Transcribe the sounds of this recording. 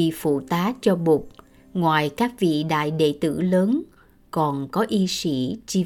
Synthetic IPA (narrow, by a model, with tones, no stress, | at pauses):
ḭ˧˨fṵ˧˩˨t̪aː˨˦t͡ɕɔ˧ɓu˨˩k͡p̚ | ŋwaː˨˩jkaː˦˥k̚vḭ˧˨ɗa̰ː˧˨jɗḛ˧˨t̪ɨ̰˧˩ləː˨˦n | kɔ˨˩nkɔ˨˦ʔi˧si˧˩˦t͡ɕi˧